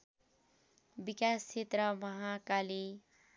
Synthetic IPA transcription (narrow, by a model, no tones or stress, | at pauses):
bikast͡ʃʰet̪ɾʌmʌɦakali